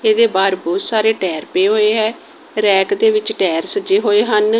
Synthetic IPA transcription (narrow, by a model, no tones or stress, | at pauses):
eːd̪eːbaːɾbʊːsaːɾeːʈɛːɾpeːɦoːeːɦɛː | ɾɛːkd̪eːʋɪt͡ʃʈɛːɾsəd͡ʒeːɦoːeːɦən